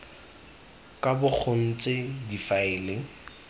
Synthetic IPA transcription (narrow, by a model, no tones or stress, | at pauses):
kʼabʊk͡xʰʊn̩t͡sʼɪdifaɪːlɪ